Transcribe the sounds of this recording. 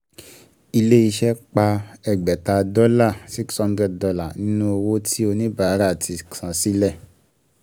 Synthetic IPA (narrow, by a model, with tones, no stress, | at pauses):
i˧le˦i˧ʃɛ˦k͡pa˧ɛ˨ɡ͡bɛ˨ta˧dɔ˦la˦˨si˦kshã˦ndɾɛ˦˨d̚dɔ˨˧la˦˨nĩ˦nũ˦o˧wo˦tʰi˦o˧nĩ˦ba˦˨˦ɾa˦˨tʰi˨˧ksã˨si˦lɛ˦˨